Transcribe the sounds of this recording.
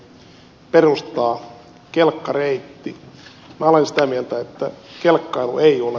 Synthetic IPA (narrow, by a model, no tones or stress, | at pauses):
perust̪ɑː | kelkːɑreit̪ːi | mæolensi̥t̪æmielt̪æet̪ːæ̰kelkːɑiluʔeiole